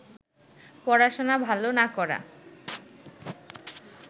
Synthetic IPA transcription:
pɔɾaʃonabʱalonakɔɾa̰

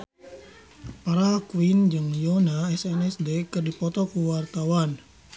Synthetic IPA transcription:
paɾakuwind͡ʒɨŋjɔnaɛsɛnɛsdekɨrdipɔt̪ɔkuwart̪awan

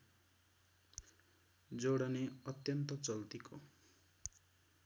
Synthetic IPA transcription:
d͡zoɽʌneʌt̪jʌnt̪ʌt͡sʌlt̪ikʰo

